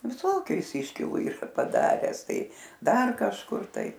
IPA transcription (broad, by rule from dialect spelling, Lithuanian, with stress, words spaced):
ʋʲɪˈsoːkʲʊ ˈjɪs ˈɪʃʲkʲɪlˠʊ ˈiːrɐ pɐˈdɑːrʲɛs ˈtɐɪ ˈdɐr kɐʃˈkʊr ˈtɐɪ